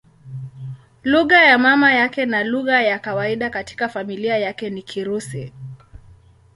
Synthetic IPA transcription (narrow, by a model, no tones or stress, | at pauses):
luɣajamamajakɛnaluɣajakawaiɗakati̥kafamiliajakɛnikʰiɾusḭ